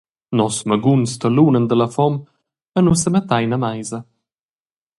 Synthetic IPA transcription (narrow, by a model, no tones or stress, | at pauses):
nɔsməɡunst̪əluːnənd̪ələfɔm | ənusəmət̪ajnamajzɐ